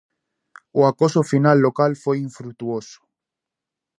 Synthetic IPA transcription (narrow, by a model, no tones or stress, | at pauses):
oakosofinalːokalfojiɱfɾuk̚t̪uoso̥